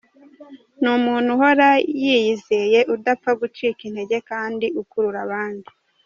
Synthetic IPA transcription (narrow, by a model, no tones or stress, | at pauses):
numuːn̥huɦo̞ɾajiːjize̞je̞ʔudapp͡faɡut͡ʃiːkin̥he̞ɟe̞kaːndiʔukuɾuɾaβaːndi